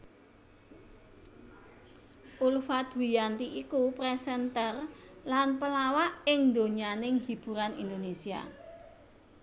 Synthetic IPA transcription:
ʔulfat̪wijant̪iʔikupɾɛsɛnt̪ərlanpəlawaʔɪŋnd̪oɲanɪŋɦib̥ṳɾanḭnd̪onesia̰

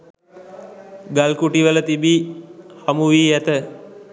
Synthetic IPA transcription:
ɡalkuʈiʋələt̪ibihamuʋiːæt̪ə

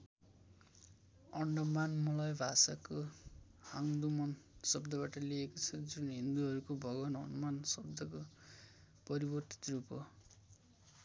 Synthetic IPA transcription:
ʌɳɖʌmanmulʌjbʱasako | haŋd̪umʌnsʌbd̪ʌβaʈʌliekot͡sʰʌd͡zunɦind̪uɦʌɾukobʱʌɡʌnɦʌnumansʌb̚d̪ʱʌko | pʌɾibʌrt̪i̥t̪rupʌ

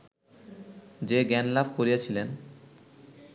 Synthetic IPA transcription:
d͡ʑeɡɛnlabkoɾijat͡ɕʰilen

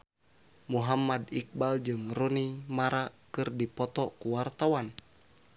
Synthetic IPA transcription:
muɦamːadik̚bald͡ʒɨŋrunimaɾakɨrdipɔt̪ɔkuwart̪awan

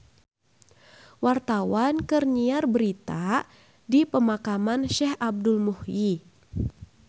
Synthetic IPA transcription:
wart̪awankərɲiarbəɾit̪a | dipəmakamanʃɛhab̚dulmuhji

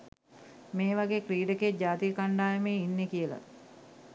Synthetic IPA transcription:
meːʋaɡeːkriːɖeked͡ʒaːt̪ijəkaɳɖaːjemeːinːekijəla̰

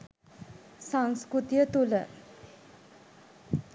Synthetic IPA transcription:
saŋskɾut̪ijət̪ulə̰

